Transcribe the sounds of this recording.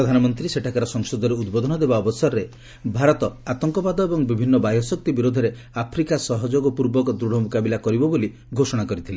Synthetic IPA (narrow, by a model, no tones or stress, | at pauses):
pɾɔd̪ʱanɔmɔnt̪ɾiseʈʰakaɾɔsɔŋsɔd̪ɔɾeud̪bɔd̪ʱɔnɔd̪ebaɔbɔsɔɾːe | bʱaɾɔt̪ɔat̪ɔŋkɔbad̪ɔebɔŋbibʱinːɔbajɔsɔk̚t̪ibiɾod̪ʱɔɾe | apʰɾikasɔɦɔd͡ʒoɡɔpuɾbɔkɔd̪ɾuɽ̤ɔmokabilakɔɾibɔboli | ɡʱosɔɽ̃akɔɾit̪ʰile